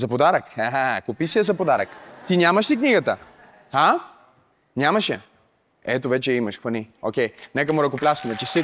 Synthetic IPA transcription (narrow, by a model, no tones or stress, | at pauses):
zɐpod̪aɾəkaɦakopisiɐzɐpod̪aɾəkt̪inʲamɐʃlʲikniɡət̪ə | ha | nʲamɐʃjɐ | ɛt̪ovɛt͡ʃɛimɐʃxvɐniokʲɛjnɛkəmuɾɐkoplʲaskəmɛt͡ʃɛsi